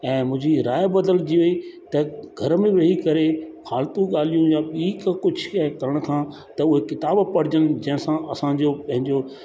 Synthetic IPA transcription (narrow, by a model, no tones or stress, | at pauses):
ɛ̃ːmʊ̃ɦɪ̃d͡ʑiɾaːjbɐd̪əld͡ʑiʋeit̪ɐɡʱɐɾmẽʋeɦikɐɾexaːlt̪ũɠaːl̤ijũjaɓiːkkʊd͡ʑʱkɐɾəɽ̃̆kʰãː | t̪ɐʊɦekɪt̪aːbpɐɽ̤ɪd͡ʑənɪ̆d͡ʑɐ̃ɦɪ̃sãʔɐsãd͡ʑopɐ̃ɦɪ̃ɲd͡ʑo